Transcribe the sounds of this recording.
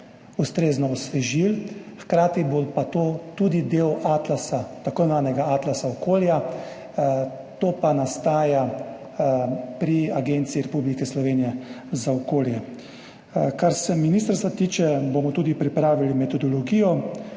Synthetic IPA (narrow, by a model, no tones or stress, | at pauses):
ust̪ɾeːznɔːsʋɛʒilxkɾaːt̪ibopat̪oːt̪ud̪id̪eːwat̪lasat̪akonʋaːnɛɡaaːt̪lasaɔkoːlja | t̪oːpanast̪aːja | pɾiaɡent̪siːɾɛpublikɛslɔʋeːnijɛ | zaɔkoːljɛ | kaɾsɛminiːst̪əɾst̪ʋat̪iːt͡ʃɛbomɔt̪uːd̪ipɾipɾaːʋilimɛt̪ɔd̪ɔlɔɡiːjɔ